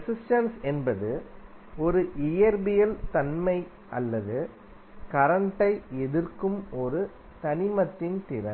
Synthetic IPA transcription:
ɐsɪsʈɐnsɛnbɐðɯ | ɔɾɯʔɪjɐɾbɪjɐlt̪ɐnmɐɪ | ʔɐlːɐðɯ | kɐɾɐɳʈɐɪɛðɪrkɯmɔɾɯ | t̪ɐnɪmɐt̪ːɪnt̪ɪɾɐ

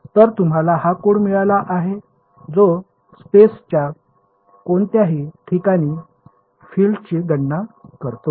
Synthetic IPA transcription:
t̪əɾt̪um̤alaɦakuɳmiɭalaʔaɦe | d͡zo | spest͡ɕja | koɳt̪jaɦiːʈʰikaɽ̃iː | fiːlɖt͡ɕiɡəɳːakəɾt̪o

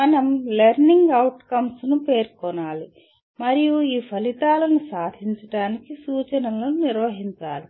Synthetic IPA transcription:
mɐnɐmleɾniŋɡɐwʈkɐmsnupe̞ːɾkɔnaːli | mɐɾijuiːpʰɐlit̪aːlɐnusaːd̪ʱiɲt͡ʃɐʈaːnikisuːt͡ʃɐnɐlonuniɾʋɐɦiɲt͡ʃaːli

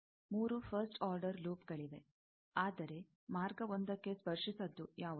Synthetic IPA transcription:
muːɾupʰɐɾsʈaːɾɖɐɾluːp̚ɡɐɭiʋe̞ | aːd̪ɐɾe̞ | maːɾɡɐʋond̪ɐkːe̞spɐɾʂisɐd̪ːujaːʋɐ

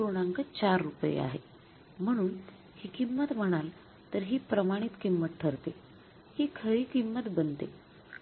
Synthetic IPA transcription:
oɽ̃aŋkət͡ɕaɾːupəjḛa̰ɦḛ | m̤əɽ̃uːn | hiːkimːət̪m̤əɽ̃al | t̪əɾɦiːpɾəmaɽ̃it̪kimːət̪̚ʈʰəɾt̪e | hiːkʰəɭiːkimːət̪bənt̪e

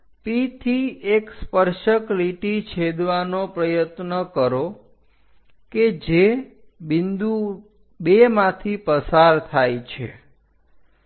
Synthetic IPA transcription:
pit̪ʰiekspəɾʃəkɾiʈit͡ʃʰed̪ʋanopɾəjət̪nəkəɾo | ked͡ʒe | bind̪u | bemãt̪ʰipəsaɾt̪ʰajt͡ʃʰḛ

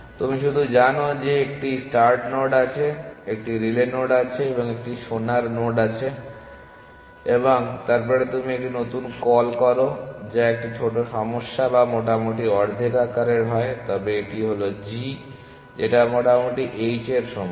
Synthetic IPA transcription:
t̪umiʃud̪ʱud͡ʑanod͡ʑeek̚ʈisʈaɾʈnoɖat͡ɕʰeek̚ʈiɾilenoɖat͡ɕʰeeboŋek̚ʈiʃonaɾnoɖat͡ɕʰe | eboŋt̪aɾpɔɾet̪umiek̚ʈinot̪unkɔlkɔɾod͡ʑaek̚ʈit͡ɕʰoʈoʃɔmoʃːabamoʈamuʈiɔɾd̪ʱikakaɾeɾbʱaet̪ɔbeeʈiɦolod͡ʑi | d͡ʑeʈamɔʈamuʈiʔejt͡ɕeɾʃɔm

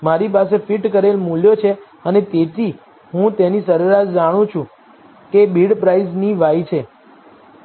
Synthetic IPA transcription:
maɾipas̬efiʈkəɾelmuljot͡ʃʰe | ənet̪et̪ʰi | ɦũt̪enisəɾəɾatd͡ʒaɽ̃ũt͡ʃʰũ | kebiɽpɾaizniʋajt͡ʃʰe

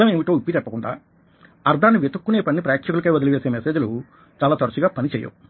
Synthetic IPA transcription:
ɐmeːmiʈo̞ːipːit̪ɛpːɐkuɳɖa̰ː | ɐɾd̪ʱaːnːiʋet̪ukːuneːpɐnːipɾaːjɐkʂɐkulɐkɐjʋɐd̪ilɐʋeːseːmese̞ːd͡ʒulu | t͡ʃaːlaːt̪ɐɾɐt͡ʃiɡaːpɐnit͡ʃɛːjɐ̰

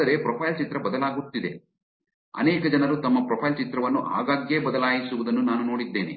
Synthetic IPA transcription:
ɐɾe̞pɾɔpʰɐjlt͡ʃit̪ɾɐbɐd̪ɐlaːɡut̪ːid̪e̞̰ | ɐ̰nɛːkɐd͡ʒɐnɐɾut̪ɐmːɐpɾoːpʰɐjlt͡ʃit̪ɾɐʋɐnːuʔa̰ːɡaːɡje̞ːbɐd̪ɐlaːjisuʋud̪ɐnːunaːnuno̞ːɽid̪ːe̞ːnḛ

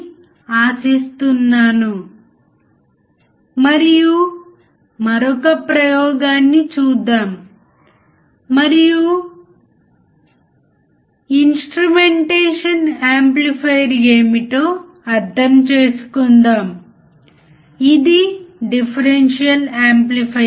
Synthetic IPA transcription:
aːsist̪unːaːnu | mɐɾiju | mɐɾɔkɐpɾɐjɔːɡaːnːit͡ʃuːd̪ːaːm | ɐɾiju | insʈɾumeɳʈeːʂɐnaːmplipʰɐjɾeːmiʈoː | ɐɾd̪ʱɐmt͡ʃeːsu̥kund̪aːm | id̪iɖipʰɐɾenʂijɐlaːmplipʰɐ

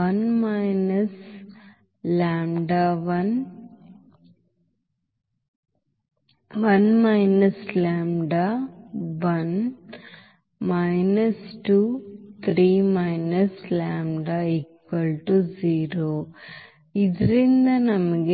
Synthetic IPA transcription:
ɐnmɐjnɐs | laːmɖaʋɐn | ʋɐnmɐjnɐslaːmɖa | ʋɐn | mɐjnɐsʈuːt̪ʰɾiːmɐjnɐslaːmɖaːekʋɐlʈud͡ʒiːɾoː | id̪ɐɾind̪ɐnɐmɐɡe

